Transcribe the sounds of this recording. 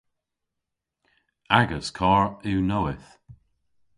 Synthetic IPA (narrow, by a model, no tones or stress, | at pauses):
aɡəskʰɔːɹʉːnoɪθ